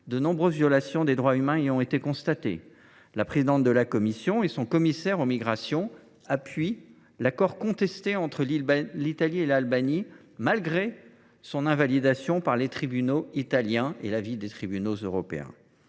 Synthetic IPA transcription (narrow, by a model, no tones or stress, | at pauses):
d̪ənɔ̃bʁøzvjɔlasjɔ̃d̪ed̪ʁwaymɛ̃ijɔ̃et̪ekɔ̃st̪at̪ḛ | lapχezid̪ɑ̃t̪̚d̪əlakɔmisjɔ̃esɔ̃kɔmisɛʁomiɡʁasjɔ̃ | apɥi | lakɔʁkɔ̃t̪ɛst̪eɑ̃t̪χəllit̪alielalbani | malɡʁe | sɔ̃nɛ̃valid̪asjɔ̃paʁlet̪χibynoit̪aljɛ̃ḛlavid̪et̪χibynozøʁɔpḛɛ̰̃